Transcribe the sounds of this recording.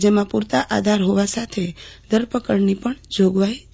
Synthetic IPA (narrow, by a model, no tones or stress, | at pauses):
d͡ʒemãpuɾt̪aʔad̪ʱaɾɦoʋasat̪ʰed̪ʱəɾpəkəɾnipəɳd͡ʒoɡʋaj